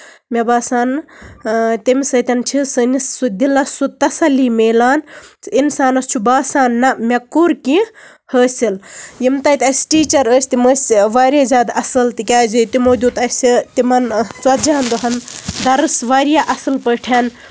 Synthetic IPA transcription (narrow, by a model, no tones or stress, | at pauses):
mʲɐbaːsaːn | t̪imʲsɐt̪ʲɐnt͡ʃʰisɨnisːud̪ilɐsut̪ɐsɐlimeːlaːnt͡sinsaːnɐst͡ʃʰubaːsaːnːɐmʲɐkuːɾki | həːsʲiljimt̪ɐjt̪ʲɐsʲʈiːt͡ʃɐɾəːsʲt̪iməsʲʋaːɾʲjazʲjaːd̪ɐsɐlt̪ikʲaːzit̪imoːd̪uːt̪ɐsʲit̪imɐnt͡swɐt̪d͡ʒaɦɐnd̪uɦɐnd̪ɐɾɨsʋaːɾjaʔɐsɐlpəʈʰen